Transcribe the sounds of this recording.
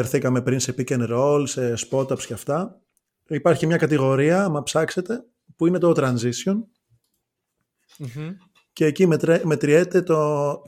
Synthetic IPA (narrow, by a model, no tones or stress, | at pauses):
eɾθikɐme̞pɾinse̞picenɾo̞lse̞spo̞t̪ɐpsceɐft̪ɐ | ipɐɾçimɲɐkɐt̪iɣo̞ɾiɐmɐpsɐkse̞t̪e̞ | puine̞t̪ot̪ɾɐnzisio̞n | ce̞ːcimme̞t̪ɾiet̪e̞t̪o